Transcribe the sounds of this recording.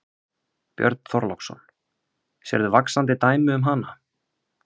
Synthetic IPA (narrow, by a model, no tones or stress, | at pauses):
pjœ̰ɾt̪n̥θɔɾlɔksɔ̰n | sɛ̰ɾðʏvaksant̪ɪt̪aːjmʏʏmɦana